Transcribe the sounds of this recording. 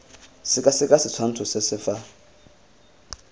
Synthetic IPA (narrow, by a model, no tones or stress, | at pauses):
sɪkʼasɪkʼasɪt͡sʰwan̩tʰusesɪfa